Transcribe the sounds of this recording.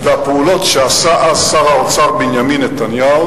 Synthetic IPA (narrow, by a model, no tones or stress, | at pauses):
d̪apulɔt̪t͡ʃasaʔasaɾaw̪t͡saɾbiɲaminet̪anjal